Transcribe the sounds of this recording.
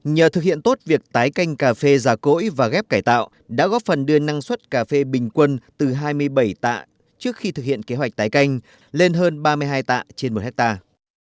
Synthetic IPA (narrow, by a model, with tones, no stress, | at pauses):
ɲəː˨˩t̪ɨ˨k̚hḭ˧˨ənt̪o˦˥t̚vi˨˩ək̚t̪aː˨˦jka˧jŋ̟kaː˧˩fe˧zaː˨˩ko̰˧˥jvaː˨˩ɣɛ˦˥p̚kaː˧˩jt̪a̰ː˧˨w | ɗa̰ː˧˥ɣɔ˦˥fə˨˩nɗɨ˧əna˧ŋswə˦˥t̚kaː˧˩fe˧ɓï˨˩ŋ̟kwə˧nt̪ɨ˨˩ɦaː˧jmɨ˧əjɓə˧˩jt̪a̰ː˧˨ | t͡ɕɨ˦˥ək̚xi˧t̪ʰɨ˨k̚hḭ˧˨ənke˨˦ɦwa˨˩k̚t̪aː˨˦jka˧jŋ̟ | le˧nɦəː˧nɓaː˧mɨ˧əjɦaː˧jt̪a̰ː˧˨t͡ɕe˧nmo˨˩t̚hɛ˦˥k̚t̪aː˧